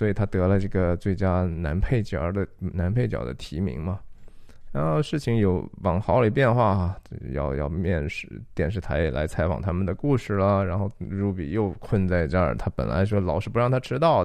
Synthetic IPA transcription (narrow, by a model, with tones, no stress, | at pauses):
swɔ˧˥i˨˩t̪ʰa˥t̪ɤ˧˥lə˧ʈ͡ʂɤ˥˩ɡə˩t͡swe˥˩ɪt͡ɕja˥na˧˥npʰe˥˩ɪt͡ɕjɑ̰˧˥d̪ə˧na˧˥npʰe˥˩ɪt͡ɕjɑ̰˨˩ʊd̪ə̰˦t̪ʰi˧˥mḭ˧˥ŋmɐ˧ | ɻa˧˥nxo˥˧ʊʂɻ̩˥˩t͡ɕʰi˧˥ŋjo˧˥ʊwɑ˨˩ŋxɑ˧˥ʊli˨˩pjɛ˥˧nxwa˥˩t͡ɕo˥˧jɑ̰˥˧ʊjɑ̰˥˧ʊmjɛ˥˧nʂɻ̩˥˩t̪jɛ˨˩nʂɻ̩˥˩t̪ʰa̰˧˥ɪɛ̰˨˩la̰˧˥ɪt͡sʰa˧˥ɪfɑ̰˨˩ŋt̪ʰa˥mə˨nd̪ə˩ku˥˧ʂɻ̩˥˩lə˩ɻa˧˥nxo˥˧ʊɻu˧˥pḭ˨˩jo˥˧ʊkʰwə˥˧nt͡sa˥˩ɪt͡ɕja˥˩t̪ʰa˥pə̰˨˩nla̰˧˥ɪʂwɔ˥lɑ˨˧˥ʊʂɻ̩˥˩pu˧˥ɻɑ˥˩ŋt̪ʰa˥ʈ͡ʂʰɻ̩˥t̪ɑ˥˩ʊ